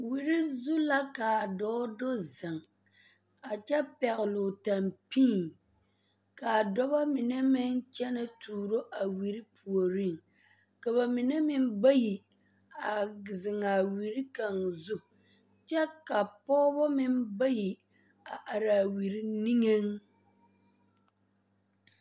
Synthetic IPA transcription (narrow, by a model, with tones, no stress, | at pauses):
wi˨ɾɪ˦zu˦la˦ka˨dɔː˦do˦zɪ˨ŋ | a˨t͡ʃɛ˦pɛ˨ɣɪ˨lʊ˨ta˨mpiː˦˨ | ka˨dɔ˦ba˦mɪ˨nɛ˦mɪ˦nt͡ʃɛ˦nɨ˦tuː˨ɾo˦ʔa˨wi˨ɾɪ˦pʰu˨o˨ɾɪ˦˨ŋ | ka˨βa˨mɪ˨nɛ˦mɪ˦m˦ba˦ji˨ | a˨zɪ˨ŋa˨wi˨ɾi˦ka˨ŋzʊ˦ | t͡ʃɛ˦ka˨pɔː˦bɔ˦mɪ˦nba˦ji˨ | a˨ʔa˨ɾa˨wi˨ɾi˦ni˦ŋe˦ŋ